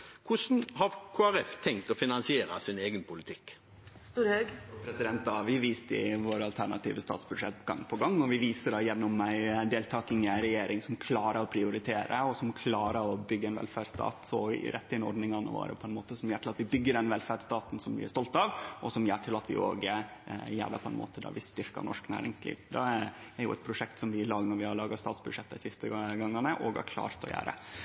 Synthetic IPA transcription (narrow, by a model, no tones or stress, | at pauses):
kʰʊsn̩hɑɾkʰoːæɾɛft̪ʰɛŋk̚t̪ɔfɪnɑnsɪeːɾɑsɪneːɡənpʰʊlɪt̪ʰɪkː | st̪uːɾhøɡpʰɾɛsɪd̪ɛnt̪ɑʋɪʋiːst̪əɪ̰ʋoːɾɑlt̪ʰæɾɳɑt̪ḭːʋəst̪ɑ̰ːt̪sbʉd̪ʂɛ̰t̪ɡɑ̰ŋːpʰɔɡɑŋːɔʋɪʋiːsəɖɑːjɛnːʊmːæɪd̪eːlt̪ʰɑːkɪŋəɾɛjeːɾʔɪŋsɔmkʰlɑːɾəɾɔpʰɾɪʊɾɪt̪ʰeːɾə̰ɔsɔmkʰlɑːɾəɾɔbʏɡːəɛɪnʋɛ̰lfæɖst̪ʰɑ̰ːt̪sɔ̰ɾʔɛt̪ːəhɪnɔɾɖnɪŋɑnə̰ʋo̰ːɾə̰pʰɔɛnmoːt̪əsɔmjæːʈʰɪlɑt̪ʋɪbʏɡːəɖɛnʋɛlfæɖst̪ɑːt̪n̩sɔmblɪ̰æst̪ɔlt̪ɑʋʔɔsɔmjæːʈʰɪlɑt̪ʋɪ̰o̰ːɡə | jæ̰ːɖə̰pʰɔɛ̰nmo̰ːt̪əd̪æ̰ɾʋɪst̪ʏɾkɑ̰nɔ̰ʂknæ̰ːɾɪŋslḭːʋd̪ɛææɾjʊ̰ʔɛ̰t̪pʰɾʊʂɛkt̪sɔmʋɪlɑːɡnɔɾʋɪhɑɭɑːɡɑst̪ɑːt̪sbʉd̪ʂɛt̪ːæɪsɪst̪əɡɑŋːɑnəʔɔɡɑ̰ɾkʰlɑ̰ːɾt̪ɔ̰jæ̰ːɾə̰